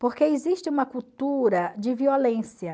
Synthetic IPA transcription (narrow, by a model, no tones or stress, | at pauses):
poɾkeeziʃt͡ʃɪũmɐkuwt̪uɾɐd͡ʒɪviolẽsjɐ